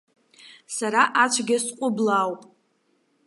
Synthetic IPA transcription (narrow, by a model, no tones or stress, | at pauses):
saɾaʔat͡ʃʷʰɡʲɪsqʷʼʊblawpʼ